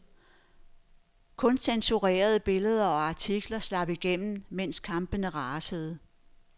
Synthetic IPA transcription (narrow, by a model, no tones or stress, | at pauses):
kʰɔ̽nsensuʁɛ̰ːɐð̞ˠəb̥e̝ləð̞ˠɐɒ̽ɑ̈t͡sʰiɡ̥lɐslɑ̈b̥iɡ̥en̰m̩men̰skʰɑ̈mb̥ənəʁɑːsəð̞̩ˠə